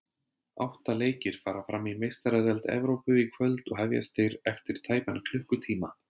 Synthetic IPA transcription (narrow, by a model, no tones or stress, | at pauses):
a̰wht̪aleːjcɪɾ̥faːɾafɾamːimejst̪aɾɛðɛlt̪ɛ̰vɾowpʏikʰvœlt̪ɔɣɦɛvja̰st̪ejɾɛft̪ɪɾ̥t̪ʰaːjpankʰl̥ʏhkʏt̪ʰiːma